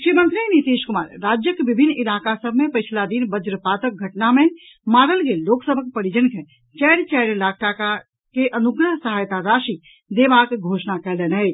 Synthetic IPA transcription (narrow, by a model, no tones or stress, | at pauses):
kʃimə̃nt̪ɾinit̪iːʃkʊmaːɾɾaːd͡ʒjəkbɪbʱɪnːɪlaːkasəbʱmẽpət͡ʃʰlad̪inbəd͡ʒɾəpaːt̪ək̚ɡʱɐʈnamẽ | maːɾəlɡeːlːoːksəbʱəkpəɾid͡ʒənke | t͡ʃɛːɾt͡ʃɛːɾlaːk̚ʰʈaka | keʔənʊɡɾəɦsəɦaːjt̪aɾaːʃi | d̪eːbaːkɡʱoːʃnakɛɦlene